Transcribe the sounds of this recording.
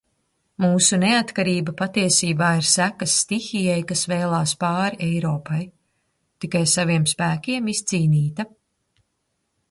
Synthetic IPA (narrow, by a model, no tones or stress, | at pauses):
muːsuneat̪kaɾiːbɐpat̪iɛsiːbaːiɾsækasːt̪ixijɛjkasvɛjlˠaːspɑːɾiʔɛjɾɔːpaj | t̪ikajsaviɛmspæːkʲiɛmist̪siːniːt̪a